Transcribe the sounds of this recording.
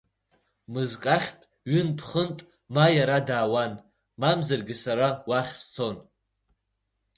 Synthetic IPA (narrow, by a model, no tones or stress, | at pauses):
mɨzkʼaχʲtʼ | ɥɪndχəntʼ | majaɾadaːwan | mamzarɡʲɪsaɾawaχʲst͡sʰo̞n